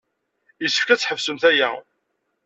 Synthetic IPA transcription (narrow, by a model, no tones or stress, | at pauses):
jəsːə̥fkæt͡sːħəvsəmθæjæ̰